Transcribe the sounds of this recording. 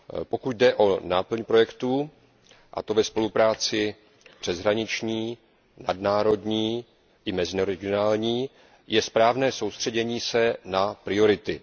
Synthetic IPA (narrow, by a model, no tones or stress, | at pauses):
po̞kut̪dɛʔo̞naːpl̩ɲpɾo̞jɛkt̪u | ʔa̰t̪o̞vɛspo̞lupɾaːt͡sɪ | pr̥ɛzɦɾaɲɪt͡ʃɲiː | nadnaːɾo̞dɲiː | ʔɪmɛzɪnoɾɛɡɪonaːlɲiː | jʔɛspɾaːvnɛːso̞wst̪r̝̥ɛɟɛɲiːsɛnapɾɪo̞ɾɪt̪ɪ